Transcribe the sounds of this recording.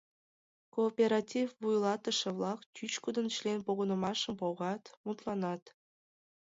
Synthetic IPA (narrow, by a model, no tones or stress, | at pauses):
koːpʲeɾɑtʲifbujlˠɑt̪ə̆ʃə̆vlˠɑkt͡ɕyt͡ɕkud̪ɤ̆nɕlʲenpoɣɤ̆nɤ̆mɑʃɤ̆mpoʁɑt̪mut̪lˠɑnɑt̪